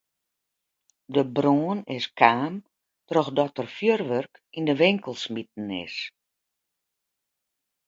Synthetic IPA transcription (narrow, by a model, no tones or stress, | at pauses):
dəbroːnɪskʰaːm | trɔxdɔtərfjørʋørkindəʋɪŋkəlˠsmit̚n̩ɪ̰s